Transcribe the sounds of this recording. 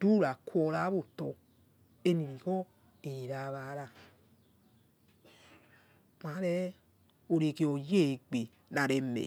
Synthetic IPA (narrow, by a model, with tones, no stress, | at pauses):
d̥u˦ɾa˨kʰwɔ˧ɾa˨˦βo˦˨tɔ˧ | e˦ni˨bi˨kɔ˦ | e˨i˨ɾa˧˨˧βa˨˦ɾa˦˨ | ma˨˦ɾɛ˦ | o˨ɾe˨ke˧o˨je˦˨ɡ͡be˨ | na˨ɾe˨mḛ˨